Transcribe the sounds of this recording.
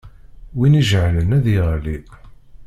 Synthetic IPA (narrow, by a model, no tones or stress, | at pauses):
winiʒʕlənæðiʁli